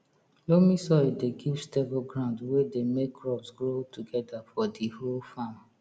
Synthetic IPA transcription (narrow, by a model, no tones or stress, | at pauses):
lomisɔdeɡivstɛvoɡɹãʊ̃ndwɛdemekʰːɹɔpsɡɹotuɡɛdafɔdiholfam